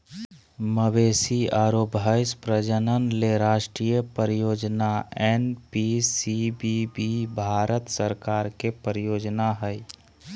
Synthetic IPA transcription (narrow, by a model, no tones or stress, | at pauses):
məbeːsiaːɾoːbʱəɪspɾəd͡ʒənənleɾaːʃʈɾijəpəɾjoːd͡ʒnaɛnpisibibibʱaːɾət̪səɾkaːɾkepəɾjoːd͡ʒnaɦəj